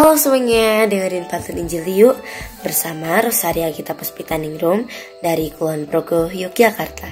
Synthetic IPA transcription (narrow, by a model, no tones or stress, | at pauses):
alɔsəwəŋɲadəŋəɾinpat̪uniɲd͡ʒilijʊʔbərsamaɾɔsaɾiakit̪apɔspit̪aniŋɾum | daɾikuuanpɾoɡɔhjuk̚d͡ʒakart̪ʰa